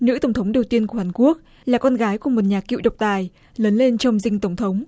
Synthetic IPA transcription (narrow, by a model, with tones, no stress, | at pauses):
nɨ̰˧˥t̪ə˧˩wŋ͡mt̪ʰə˨˦ŋ͡mɗə˨˩wt̪i˧ənku˧˩əhaː˨˩nŋku˦˥ək̚ | laː˨˩kɔ˧nɣaː˨˦jku˧˩əmo˨˩t̚ɲaː˨˩kḭ˧˨wɗə˨˩wk͡p̚t̪aː˨˩j | ləː˨˦nle˧nt͡ɕɔ˧wŋ͡mzï˧ŋt̪ə˧˩wŋ͡mt̪ʰə˨˦wŋ͡m